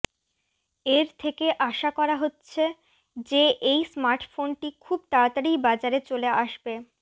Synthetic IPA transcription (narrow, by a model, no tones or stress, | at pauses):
eɾt̪ʰekeʔaʃakɔɾaɦotːɕʰe | d͡ʑeʔejsmaɾʈfonʈikʰub̚t̪aɾat̪aɾijbad͡ʑaɾet͡ɕoleaʃbe